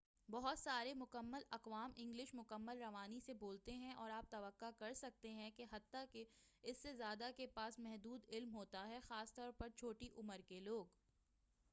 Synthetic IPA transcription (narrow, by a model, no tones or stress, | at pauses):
bɐɦʊt̪saːɾemʊkəmːəlɐqʋaːmʔɪ̃ŋɡlɪʃmʊkəmːəlɾɐʋaːniseboːlt̪eɦɛ̃ʔɔːɾaːp̚t̪ɐʋəqːakɐɾsɐk̚t̪eɦɛ̃keɦɐt̪ːakeɪsːezjaːd̪akepaːsmɛɦd̪uːd̪ɪlmɦoːt̪aɦɛxaːst̪ɔːɾpɐɾt͡ʃʰoːʈiʔʊməɾkeloːɡ